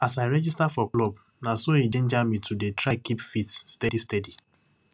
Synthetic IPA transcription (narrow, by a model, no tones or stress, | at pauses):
asaɪɾɛd͡ʒistafɔklɔb | nasoid͡ʒẽnd͡ʒamitʰudetɾakipfitsːtɛdistɛdi